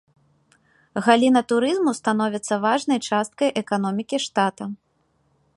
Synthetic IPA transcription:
ɣalʲinɐt̪uɾɨzmust̪an̪ɔvʲit̪sːɐvaʐnɐjt͡ʂast̪̚kɐjʔɛkanɔmʲikʲiʂt̪at̪ɐ

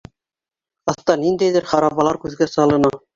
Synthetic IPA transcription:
ɑθt̪ɑnind̪æjðɘɾχɑɾɑβɑlˠɑɾkʉðɡæsɑlˠɤ̆nɑ

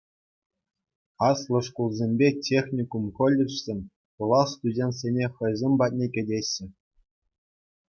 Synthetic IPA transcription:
ɑslˠɤ̆ʂkulˠzʲemʲbʲetʲʰexʲnʲikumχɤ̆lʲːɘ̆ʂsʲenʲ | pulˠɑst̪udʲenʲt̪ʲsʲenʲeχɤ̆jzʲemʲbɑt̚ʲnʲekʲɘ̆dʲeɕːɘ̆

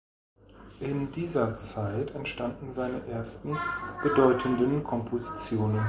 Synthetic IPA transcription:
ʔɪndiːzɐt͡saɪtʰɛntʃtandn̩zaɪnəʔeːɐstn̩b̥ədɔʏtʰəndənkʰɔmpʰozit͡sjoːnən

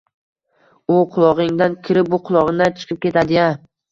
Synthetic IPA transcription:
ʊqʰʊlˠɒʁɪŋd̪ankʲʰɪɾɪp̚bʊqʰʊlˠɒʁɨŋd̪ant͡ʃʰɨ̥qʰɨp̚kʲʰe̞t̪ʰad̪ɪja

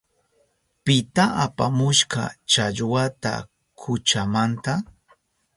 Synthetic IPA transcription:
pɪt̪aapamʊʃkɑ̰t͡ʃaʎwat̪a̰ | kʰʊt͡ʃamant̪a

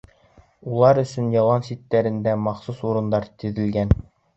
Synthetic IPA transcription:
ulˠɑɾɵ̆sɵnjɑlˠɑnsit̪ːæɾɘ̆nd̪æmɑχsusuɾɤ̆nd̪ɑɾt̪ɵ̆ðɘ̆lɡæn

